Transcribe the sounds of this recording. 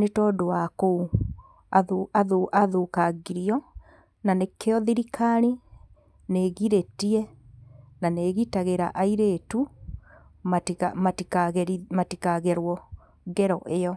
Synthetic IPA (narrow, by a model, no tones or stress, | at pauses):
netɔdoakou | aoaðoʔaðokaɡiɾiɔ | nanekeɔðiɾikʰaɾi | neɣiɾetiɛ | naneɣitaɣeɾa̰ʔaiɾetu | maamatiaɣmatikaɣɛɾwɔ | ɡɛɾɔʔejɔ